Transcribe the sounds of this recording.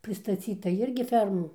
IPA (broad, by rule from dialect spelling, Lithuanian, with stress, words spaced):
pʲrʲɪstɐˈt͡sʲiːtɐ ˈɪrʲɡʲɪ ˈfʲɛrmuː